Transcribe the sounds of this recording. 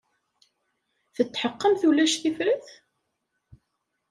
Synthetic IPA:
θət͡sːħəqːəmθulæʃθifɾiθ

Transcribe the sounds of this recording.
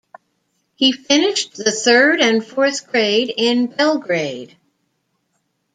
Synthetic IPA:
hifɪ̃nɪʃðɨθɜ˞ɾɨ̃nfɔɹθɡ̥ɹeɪɾɪ̃nbɛlˠɡɹeɪd̥

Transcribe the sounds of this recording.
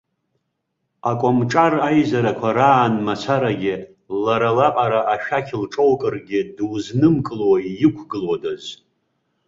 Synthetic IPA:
akʷʼamʈ͡ʂʼarajzaɾakʷʰaɾaːnmat͡sʷʰaɾaɡʲɪ | laɾalapʼaɾaʔaʃᶣakʲʰlʈ͡ʂʼowkʼɨrɡʲɪdwznɨmkʼɨlwajɪkʷʰɡɨlwadaz

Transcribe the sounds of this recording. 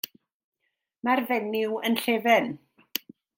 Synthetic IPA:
marvɛnɪwənɬeːvɛn

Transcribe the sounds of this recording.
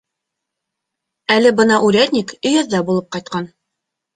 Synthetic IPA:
ælɘbɤ̆nɑʔʉɾæt̪nʲikɵ̆jɤ̆ðːɑbulˠɤp̚qɑjt̪̚qɑn

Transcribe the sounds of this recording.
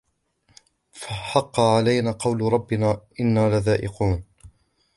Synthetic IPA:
faħɑqːɑʕalajnaːqɑwlɾˤɑbːɪnaːʔɪnːaːlaðaːʔɪquːn

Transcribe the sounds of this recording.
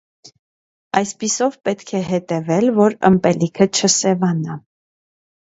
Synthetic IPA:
ɑjspisɔvpɛt̪kʰɛɦɛt̪ɛvɛlvɔɾə̰mpɛlikʰət͡ʃʰəsɛvɑnɑ

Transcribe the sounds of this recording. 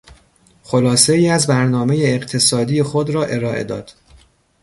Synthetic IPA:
xolɒːse̞iːæzbæɾnɒːme̞jeːɢt̪ʰe̞sɒːd̪iːjexod̪ɾɒːʔe̞ɾɒːʔḛd̪ɒ̰ːd̪̥

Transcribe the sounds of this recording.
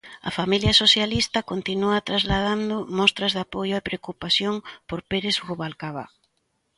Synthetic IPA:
ɐ̰familjɐsosjalist̪ɐkont̪inuat̪ɾazlað̞and̪ʊmɔst̪ɾɐzðapojʊepɾeokupaθjoŋpoɾpeɾezɣuβalkaβa̰

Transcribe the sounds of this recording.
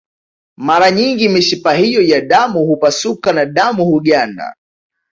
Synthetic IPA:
maɾaɲiŋɡimiʃipaɦijɔjaɗamuhupasukanaɗamuhuɠanda̰

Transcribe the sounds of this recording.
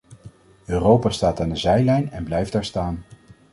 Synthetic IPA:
øːrowpaːstaːtaːndəzɛjlɛjnɛnblɛjfdaːɹstaːn

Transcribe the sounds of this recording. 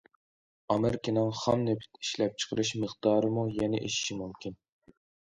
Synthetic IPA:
ɑmɨɾkʲinɨŋχɑmnepʰɪ̥t̪ʰiʃlɛp̚t͡ʃʰə̥qʰəɾɨʃməχd̪ɑːɾɨmujɛnɪʔeʃi̥ʃimumkʲʰin

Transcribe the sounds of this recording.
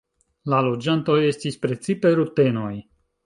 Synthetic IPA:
lalo̞d͡ʒant̪o̞est̪ispɾet̪sipeɾut̪e̞no̞j

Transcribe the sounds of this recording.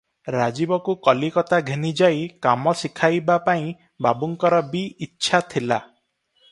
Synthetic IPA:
ɾad͡ʒibɔkukɔlikɔt̪aɡʱenid͡ʒajkamɔsikʰajbapaĩ | babuŋkɔɾɔbiːtːʃʰat̪ʰila

